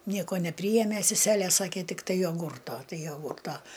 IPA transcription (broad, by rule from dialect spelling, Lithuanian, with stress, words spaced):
ˈnʲiɛkoː nʲɛˈpʲrʲiːjeːmʲeː sʲɛˈsʲæːlʲeː ˈsɑːkʲeː tʲɪkˈtɐɪ joːˈɡuːrtoː ˈtɐɪ joːˈɡʊrˌtɐ